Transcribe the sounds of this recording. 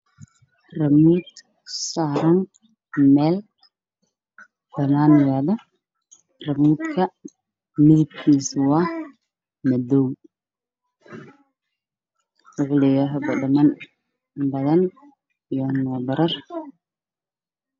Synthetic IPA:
rɐmuːd̪ | saːɾɐn | mɛːl | fɐnaːnɪjaːðɐ | rɐmuːd̪kʰɐ | mɪðɪb̚kʰiːswɑh | mɐd̪uŋ | rʊʕlɪjɐɦbɐɖɐmɐn | bɐðɐn | ijɔnɔːbɐɾɐr

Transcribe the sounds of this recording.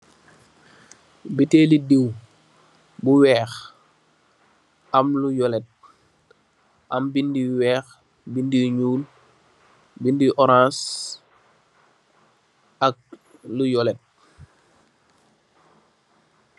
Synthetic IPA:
bitelidiw | buwɛːx | ʔamlujɔlɛt̚ | ʔambindiwɛːx | bindiɲuːl | bindiʔɔɾãːs | ʔak̚lujɔlɛt̚

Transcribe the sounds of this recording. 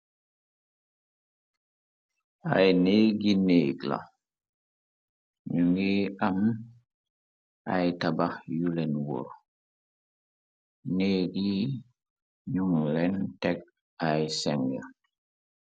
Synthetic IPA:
ajneːɡineɡla̰ | ɲuŋɡiam | ajtabajulɛnwɔ̰ɾ | neːdi | ɲuŋlɛntɛk̚ | ajsɛŋja̰

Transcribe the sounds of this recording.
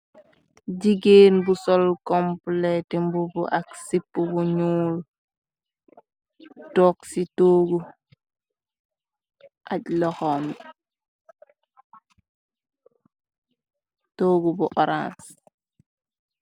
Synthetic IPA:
d͡ʒiɡeːnbusɔlkɔmplɛtimbubuʔaksipːubuɲuːl | tɔksitoːɡu | ʔaɟlɔxɔn | toːɡubuʔɔɾã̰ns

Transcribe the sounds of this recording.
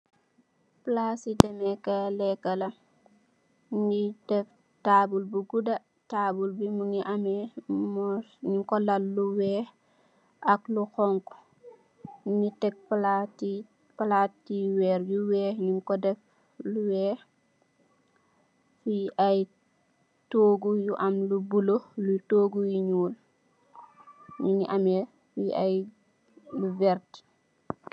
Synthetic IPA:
plasidɛmɛkɐlɛkːɐlɐ | ɲitɛf | taːbulbuɡudɐ | tabulbimuŋiʔamɛmɔɲuŋkɔlɐlːuwɛː | ʔakluxɔŋku̥ | ɲitɛk̚plati | palaːtːiwɛːɾjuwɛːɲuŋkɔdɛf | luwɛː | fiʔaj | toːɡujuʔamlubulolutoːɡujiɲuːl | ɲuniʔamɛ | fiaj | luvɛɾti̥

